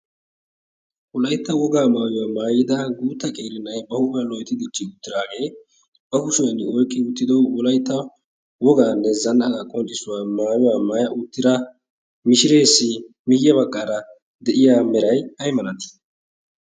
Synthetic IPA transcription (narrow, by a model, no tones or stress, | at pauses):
wɔlɐjt̪ːɐwɔɡaːmaːjʊwaːmaːjɪd̪ɐɡuːt̪ːɐkʼeːɾɪnɐjbɐhʊbɐlɔjt̪ɪd̪ɪt͡ʃːɪʊt̪ːɪɾaːɡe̞ː | bɐɡʊsʊjɐnɪɔjkʼːɪʊt̪ːɪd̪ɔwɔlɐjt̪ːɐ | wɔɡaːnːɛzɐnːɐɡɐkʼɔnt͡ʃʼːɪsʊwaːmaːjʊwaːmaːjɐʔʊt̪ːɪd̪ɐ | mɪʃɪɾe̞ːsːɪ | mɪjːɐβɐkʼːaːɾɐ | d̪ɛʔɪjaːmɛɾɐjhɐjmɐnɐt̪ɪ̥